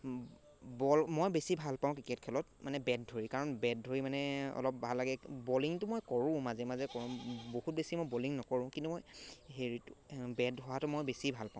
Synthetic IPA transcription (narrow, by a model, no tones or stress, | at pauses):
bɔlmojbesibʱalpaʊ̃kɹiket̚kʰɛlɔtmanɛbɛd̚dʱoɹikaɹɔnbɛd̚dʱoɹimanɛɔ̰lɔp̚bʱalːaɡɛboliŋtʊmojkɔɹʊ̃mazɛmazɛkɔɹʊ̃bohut̚besimojboliŋnɔkɔɹʊ̃kĩntumojɦeɹitʊ̥bɛdɦɔwatʊmojbesibʱalpaʊ̃